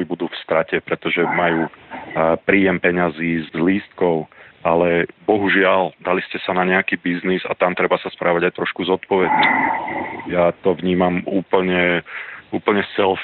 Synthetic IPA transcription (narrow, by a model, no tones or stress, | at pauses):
ibud̪uːfst̪ɾacɛpɾɛt̪ɔʒɛmajuː | pɾiːjɛmpɛɲaziːzliːst̪̚kɔʊalɛbɔɦuʒɪald̪aliscɛsanaɲɛakiːbizniza̰t̪amt̪ɾɛbasaspɾaːʋaɟajt̪ɾɔʃkuzɔt̪pɔʋɛɟi | jat̪ɔʋɲiːmamuːpl̩ɲɛuːpl̩ɲɛt͡sɛl